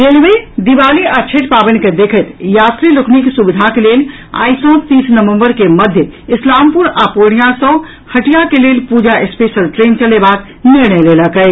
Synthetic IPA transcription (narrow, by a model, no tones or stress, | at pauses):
ɾelʋed̪iʋaːliət͡ʃʰeʈpabənked̪ekʰət̪jaːt̪ɾilʊkʰniksubid̪ʱakelel | a̰ːɪsɔ̃t̪iːsnəʋə̃mbəɾkeməd̪ʱjəɪslampuɾapoɽ̃ijãsə̃ | həʈijakelelpud͡ʒaʔespeʃəlʈɾeːnt͡ʃəlebak̪ | nɪɾneleləkɛ